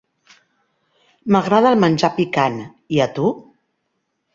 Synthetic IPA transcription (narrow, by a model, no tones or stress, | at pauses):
məɣɾað̞əlˠmənʲʒapikan | iət̪u